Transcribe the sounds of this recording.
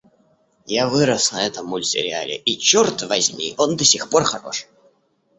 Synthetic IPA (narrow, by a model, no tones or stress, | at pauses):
javɨɾəsnɐɛt̪əmːʊlʲsʲɪ̰ɾʲɪa̰lʲɪ̰ʔit͡ɕort̪vɐzʲmʲḭʔond̪ɐsʲixpo̞rxɐɾo̞̰ʂ